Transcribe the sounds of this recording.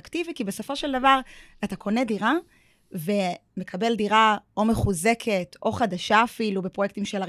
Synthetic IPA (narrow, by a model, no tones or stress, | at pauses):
ktivikibe̞so̞fo̞ʃe̞ldavaʁ | atakʰo̞nediʁa | ve̞me̞kʰabe̞ldiʁao̞me̞χuze̞kʰeto̞χadaʃaːfilubepʁjek̚t̪imʃela